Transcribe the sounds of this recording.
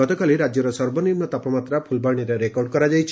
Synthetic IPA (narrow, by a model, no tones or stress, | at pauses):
ɔt̪ɔkaliɾad͡ʒjɔɾɔsɔɾbɔniɾmnɔt̪apɔmat̪ɾapʰulbaɽ̃iɾeɾekɔɾɖ̚kɔɾad͡ʒajt͡ʃʰ